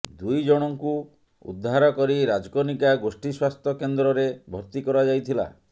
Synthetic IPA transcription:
d̪ujd͡ʒɔɽ̃ɔŋku | ṵd̪ʱːaɾɔkɔɾiɾad͡ʒɔkonikaɡosʈiswast̪ʰɔkend̪ɾɔɾebʱɔɾt̪ikɔɾad͡ʒajt̪ʰila̰

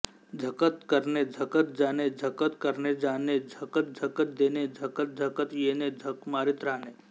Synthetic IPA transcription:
d͡ʒʱəkət̪kəɾned͡ʒʱəkət̪̚d͡ʒaːned͡ʒʱɐkət̪kɐɾned͡ʒaːned͡ʒʱɐkət̪̚d͡ʒʱɐkət̪̚d̪eːned͡ʒʱɐkət̪̚d͡ʒʱɐkət̪jeːned͡ʒʱɐkmaːɾit̪ɾaːneː

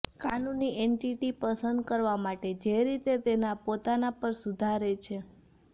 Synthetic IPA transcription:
kanunːiʔeɳʈiʈipəsənd̪kəɾʋamaʈed͡ʒeɾit̪et̪enapot̪anapəɾsud̪ʱaɾet͡ʃʰe

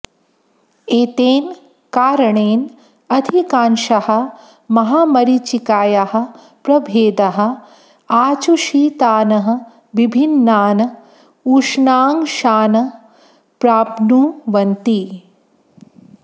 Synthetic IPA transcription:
eːt̪eːn | kaːɾɐɳeːn | ɐd̪ʱikaːnʃɐhɐ̆ | mɐɦaːmɐɾit͡ʃikaːjɐɦɐ̆ | pɾɐbʱeːd̪ɐɦɐ̆ | aːt͡ʃuʃiːt̪aːnɐɦɐ̆ | ʋibʱinːaːnɐ | uʂɳaːŋʃaːnɐ | pɾaːpnuːʋɐnt̪i

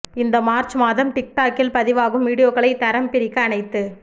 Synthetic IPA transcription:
ɪnd̪ɐmaːɾt͡ʃmaːðɐmʈɪk̚ʈaːkːɪlpɐðɪʋaːɣɯmʋiːɽɪjoːɣɐɭɐɪt̪ːɐɾɐmpɪɾɪkːɐːnɐɪt̪ːɯ

